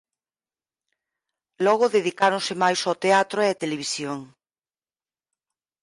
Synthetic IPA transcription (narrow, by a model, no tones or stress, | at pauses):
lɔɣʊðeðikaɾonsemajsot̪eat̪ɾoeat̪eleβ̞isjoŋ